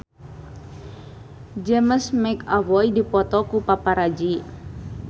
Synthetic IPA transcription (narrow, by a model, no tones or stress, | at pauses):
d͡ʒɛməsmɛkavɔidipɔt̪ɔkupapaɾad͡ʒi